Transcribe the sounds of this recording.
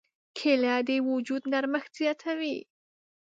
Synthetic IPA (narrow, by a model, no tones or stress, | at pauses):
kʰeljɑːd̪ewʊd͡ʒud̪naɾməxt̪z̥ijɑːt̪ʰawi